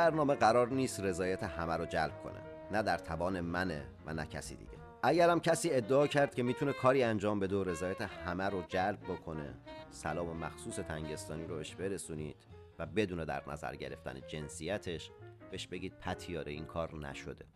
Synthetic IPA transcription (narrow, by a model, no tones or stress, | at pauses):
bæɾnɒːme̞ɢæɾɒːɾniːst̪re̞zɒːjæt̪ʰehæmæɾod͡ʒælb̥̚kʰo̞̰nʔḛ | næd̪æɾt̪ʰævɒːne̞mænevænæcʰæ̰sḭːd̪ḭɟḛ | ʔæɟæɾæmcʰæsiːe̞d̪ːeɒːcʰæɾd̪̚cʰʲe̞miːt̪ʰunekʰɒːɾiːænd͡ʒɒːmbe̞d̪eoɾe̞zɒːjæt̪ʰehæmæɾod͡ʒælb̚ːokʰo̞ne̞̰sælɒːme̞mæ̰xsuːse̞t̪ʰæŋɟe̞st̪ɒːniːɾobeʃbe̞ɾe̞suːniːd̪̥ | væbe̞d̪uːne̞d̪æ̰ɾnæ̰zæ̰ɾɟe̞ɾe̞̰ft̪æ̰ned͡ʒe̞nsijæt̪ʰe̞ʃb̥e̞ʃbe̞ɟiːd̪̥̚pʰæt̪ʰijɒːɾeḭnkʰɒːɾnæ̰ʃod̪e̞